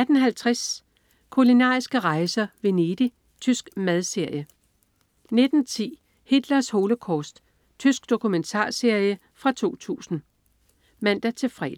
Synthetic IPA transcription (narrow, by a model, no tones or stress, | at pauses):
æd̥n̩ɦælt͡sʰʁas | kʰulinɑ̰̈ːisɡ̥əʁɑ̈ɪsɐʋe̝ned̥i | t͡sʰysɡ̥mæð̞ˠse̝ɐ̰jə | ne̝d̥n̩t͡sʰḭː | hid̥lɐsho̝ːləkʰɒːsd̥ | t͡sʰysɡ̥̚d̥o̝kʰument͡sʰɑ̰̈ːse̝ɐ̰jə | fʁɑ̈t͡sʰo̝̰ːt͡sʰṵːsn̩ | mæn̰d̥æt͡sʰe̝fʁɛ̰ːd